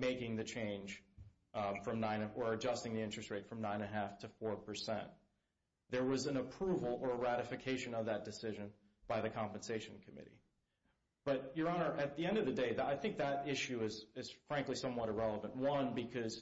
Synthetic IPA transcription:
meɪkɪ̃ŋðɨt͡ʃʰẽɪ̃nʒ̥ | fɹʌ̃mnãɪ̃nɨə˞ɨd͡ʒʌstɪ̃ŋðiɪ̃nt͡ʃɹ̥ɨst̚ɹeɪtfɹʌ̃mnãɪ̃ñɨɦæftʰɨfɔɹpʰə˞sɛ̰̃nt̪ | ðə˞wʌzɨ̃nəpʰɹ̥uvl̩ˠə˞əɹæɾɨfɨkʰeɪʃɨ̃nʌvðɨt̚d̥ɨsɪʒɨ̃n | b̥aɪðɨkʰɑ̃mpɨ̃n̩seɪʃɨ̃n̩kʰɨmɪ̰ɾḭ | b̥ʌt͡ʃə˞ɑnə˞ʔɨt̪̚ðiɛ̃ndʌvðɨdeɪðaɪθɪ̃ŋk̚ðɨɾɪʃʉɪz̥ɪz̥fɹæ̃ŋklisʌ̃mwʌɾɨɹɛlˠəvə̃nʔwʌ̃nbɨkʰʌz̥

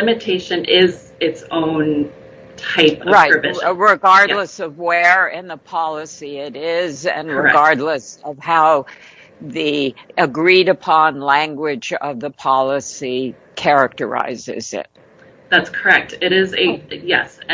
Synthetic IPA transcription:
ɪmɨtʰeɪʃɨ̃nʔɪz | ɪtsõʊ̃n | tʰaɪpʌɹaɪə˞ɨɹɪɡɑɹdˡləsʌvwə˞ɪ̃nðəpʰɑlˠəsiɪɾɪzɨ̰̃nɹəɡɑɹdˡləsʌv̥haʊ | ðiʔɨɡɹiɾɨpʰɑ̃nlæ̃ŋɡwɪd͡ʒʌvðəpʰɑlˠəsi | kʰɛɹɨk̚tə̰˞a̰ɪzɪ̰zɪ̰t̚ | ðætskʰə˞ɛk̚tɪɾɪzɨjɛ̰s

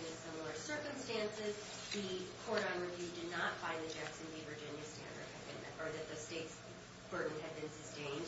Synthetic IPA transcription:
ɨ̃sɪ̃ml̩ˠə˞sɜ˞kɨ̃mstæ̃nsɪz | ðɨkʰɔɹɾə̃nɹɨvjʉdɨdⁿnətfãɪ̃nðɨd͡ʒæksɨ̃n̩ðivə˞d͡ʒɪ̃njɨstæ̰̃ndə̰˞d̚ɨdbɨ̰̃n | ə˞ðɨt̪̚ðɨsteɪts | b̥ɜ˞ʔⁿn̩ɨd̚bɨ̃nsɨstẽɪ̃nd

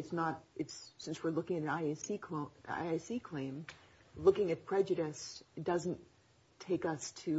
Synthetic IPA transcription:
ɨtsnəɾɨtsːɪ̃nswɨɹlʊkɪ̃ŋɨɾɨ̃naɪsikʰoa̰ɪaɪsikʰl̥ẽɪ̃mlʊkɪ̃ŋɨt̚pʰɹ̥ɛd͡ʒɨɾɨsd̥ʌzn̩ | tʰeɪkʌstʰɨ

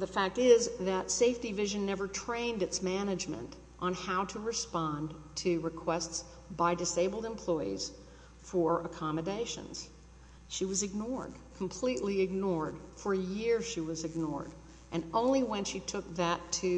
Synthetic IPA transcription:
ðɨfæk̚tɪzðɨtseɪftivɪʒɨ̃nːɛvə˞tʰɹ̥ẽɪ̃ndɨtsmænɨd͡ʒmɨ̰̃nt | ʔn̩haʊɾəɹɨspɑ̃ntʰɨɹɨkʰw̥ɛsts | b̥aɪdɨseɪbl̩ˠdɨ̃mpʰl̥ɔɪḭz̥ | fə˞əkʰɑmɨdeɪʃɨ̰̃nz̥ | ʃiwʌzɨɡ̚nɔɹd̥̚kʰm̩pʰl̥iʔˡliɨɡ̚nɔɹd̥fə˞ɨjɪɹʃiwʌzɨɡ̚nɔ̰ɹɾ | ʔɨ̃nõʊ̃nliwɨ̃nʃitʰʊk̚ðɨtʰɨ

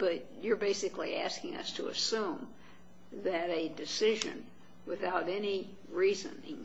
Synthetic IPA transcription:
b̥ʌt͡ʃ | ə˞beɪsɨkliæskɪ̃ŋʌ̰stʰəɨ̰sũm | ðɨɾɨdɨsɪʒɨ̰̃n | wɨθaʊɾɛni | ɹizɨ̰̃nɪ̃ŋ

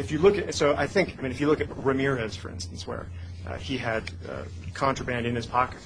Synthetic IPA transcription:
ɨfjɨlʊkɨsoʊʔa̰ɪθɪ̃ŋkaɪmĩnɨfjɨlʊkɨt̚ɹɨmɪɹɨz̥fə̰˞ɪ̰̃nstn̩swə̰˞ | iɨd̥̚ | ʌ̰ | kʰɑ̃ntɹ̥əbæ̃ndɨ̃nɨz̥pʰɑkɨ̥t̚

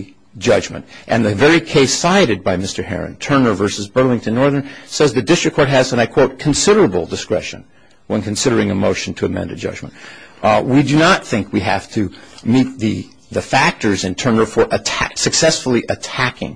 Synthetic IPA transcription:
d͡ʒʌd͡ʒmɨ̰̃ntʔɨ̃nðɨvɛɹikʰeɪsaɪɾɨd̚baɪmɪstə˞hɛ̰ɹɨ̰̃ntʰɜ̃˞nə˞vɜ˞sɨzbɜ˞lˠɪ̃ŋtʰɨ̃nːɔɹðə̃˞nsɛzðɨd̥ɪstɹ̥ɨkʰːɔɹt̚ɦɨzə̃naɪkʰw̥oʊt̚kʰn̩sɪɾə˞əbl̩ˠdɨskɹɛ̰ʃɨ̰̃n | wə̃nkʰɨ̃n̩sɪɾə˞ɪ̃ŋɨmoʊʃn̩tʰɨɨmɛ̰̃ndɨ̰d͡ʒʌ̰d͡ʒmə̰̃nt | widɨnət̪̚θɪ̃ŋkwiɦæ̰ftʰɨmit̪̚ðɨ | ðɨfæk̚tə˞zɨ̃ntʰɜ̃˞nə˞fə˞ʔɨtʰæsɨksɛsfl̩ˠiʔɨtʰækɪ̰̃ŋ

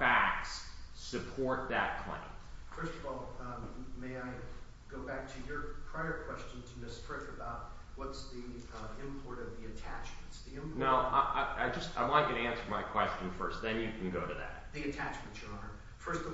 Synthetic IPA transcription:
fæk̚ssɨpʰɔɹt̪̚ðɨt̚kʰl̥ã̰ɪ̰̃ntfɜ˞stʌvɔlˠ | meɪaɪ | ɡ̥oʊbæk̚tʰɨjə˞pʰɹ̥aɪə˞kʰw̥ɛst͡ʃɨ̃n̩tʰɨmɪstʰɹ̥ɪfɨbaʊt̚ | wʌtsði | ɪ̃mpʰɔɹɾʌvðiɨtʰæt͡ʃm̃n̩tsðiɪ̃mnaʊʔaaɪd͡ʒʌsta̰ɪlaɪ̃ɡ̥ʌɾɨæ̃nsə˞maɪkʰw̥ɛst͡ʃɨ̃n̩fɜ̰˞st̪̚ðɨ̃njɨkʰn̩ɡoʊɾɨðæ̰t̚ðiɨtʰæt͡ʃmɨ̃n̩tsə˞ɑ̃nə˞ | fɜ˞stʌ

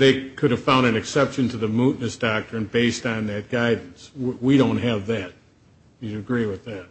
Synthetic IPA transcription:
ðeɪkʰʊɾɨv̥fãʊ̃ndɨ̃nɨksɛpʃɨ̃ntʰɨðɨmuʔⁿnɨsd̥ɑk̚tɹɨ̃nbeɪstn̩ðɨt̚ɡ̥aɪdⁿn̩swiɾõʊ̃nt̚ɦɨvðæt̚ | ɨɨɡɹiwɨðæt̚

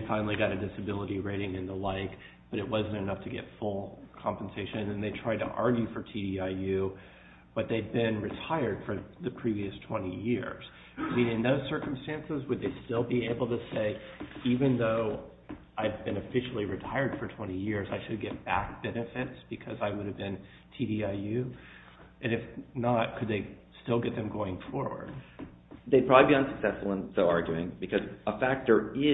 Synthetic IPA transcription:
ɪfãɪ̃nl̩ˠiɡɑɾɨdɪsɨbɪlˠəɾiɹeɪɾɪ̃ŋɨ̃nðəlaɪk | b̥ʌɾɨt̚wʌzɨ̃n̩tɨnʌftʰɨɡɛ̰tfʊlˠkʰɑ̃mpn̩seɪʃɨ̃nɨ̃nðeɪtʰɹ̥aɪd̚tʰə̰ʔɑɹɡjʉfə˞tʰidiaɪjʉ | b̥ʌt̪̚ðeɪd̚bɪ̃nɹɨtʰaɪə˞d̥fə˞ðɨpʰɹ̥iviɨstʰw̥ɛ̃ɾ̃ijɪɹz̥ | aɪmĩnɨ̃nðoʊz̥sɜ˞km̩stæ̃nsɨzwɨd̪̚ðeɪstɪlˠbieɪbl̩ˠtɨseɪivɨ̃nðoʊ | aɪd̚bɨ̃nɨfɪʃl̩ˠiɹɨtʰaɪə˞d̥fə˞tʰw̥ɛ̃ɾ̃ijɪɹzaɪʃɨd̚ɡɛt̚b̥æ̰k̚b̥ɛnɨfɪtsb̥ɨkʰʌzaɪwʊɾɨvbɨ̃n | tʰiɾiaɪjʉ | ʔɨ̃nɨfnət̚kʰɨd̪̚ðeɪ | stɪlˠɡɛt̪̚ðɨ̃mɡoʊɪ̃ŋfɔɹwə̰˞d̥̚ | ðeɪpʰɹ̥ɑbibiʌ̃nsɨksɛsfl̩ˠə̃nsoʊɑɹɡjʉɪ̃ŋbɨkʰʌzəfæk̚tə˞ɪ

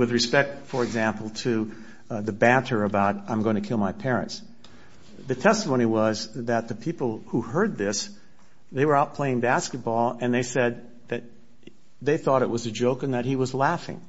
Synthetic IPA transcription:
wɨðɹɨspɛk̚tfə˞ɨɡzæ̃mpl̩ˠtʰɨ | ðɨbæɾʰə˞ɨbaʊɾãɪ̃mɡoʊɪ̃ŋtʰɨkʰɪlˠmaɪpʰɛɹɨ̰̃nts | ðɨtʰɛstəmõʊ̃ñiwʌzðɨt̪̚ðɨpʰipl̩ˠhuhɜ˞d̪̚ðɪs | ðeɪwə˞aʊt̚pʰl̥eɪɪ̃ŋbæskɨt̚b̥ɔlˠɨ̃nðeɪsɛd̪̚ | ðɨt̪̚ | ðeɪθɔɾɨʔ̚wʌzɨd͡ʒoʊkɨ̃nðɨt̚hiwʌzlæfɪ̰̃ŋ

